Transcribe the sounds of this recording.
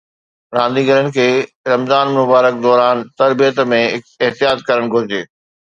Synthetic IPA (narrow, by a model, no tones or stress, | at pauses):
ɾãːnd̪iɡɐlənɪ̆kʰeː | ɾɐmzaːnmʊbaːɾək̚d̪ɔːɾaːnt̪ɐɾbijət̪mẽ | ɪɦt̪ijaːt̪̚kɐɾəɽ̃ɡʱʊɾɪd͡ʑeː